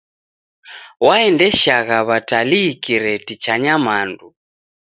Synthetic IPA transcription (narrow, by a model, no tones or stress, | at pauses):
waɛndɛʃaɣaβataliːkiɾɛtit͡ʃaɲamandu